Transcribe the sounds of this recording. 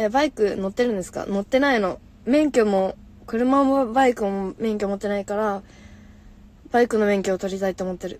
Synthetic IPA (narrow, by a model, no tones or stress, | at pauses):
ebaikɯ̟no̞t̪ːe̞ɾɯ̟nd̪e̞sɨ̥ka̰no̞t̪ːe̞naino̞ | mẽ̞ŋkʲo̞mo̞ | kɯ̟ɾɯ̟mamobaikɯ̟momẽ̞ŋkʲo̞mo̞t̪ːe̞naikaɾa | b̥aikɯno̞mẽ̞ŋkʲo̞ːt̪o̞ɾʲit̪ait̪oːmot̪ːe̞ɾɯ̟